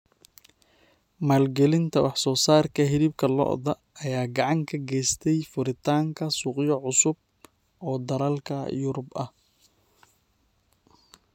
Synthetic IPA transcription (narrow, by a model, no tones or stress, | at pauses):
maːlɡɛlɪnt̪ʰɐwɑħsɔːsaːrkʰɐɦɪɾiːb̚kʰɐlɔ̰ʔðɐ | ʔːjaːɡɑʕɑŋkʰɐɡɛjst̪ʰɛjfʊɾɪt̪ʰaːŋkʰɐsuːqjɔʕʊsʊb̚ | ʔɔːd̪ɐɾalkʰɐ̰jʊɾʊbɐh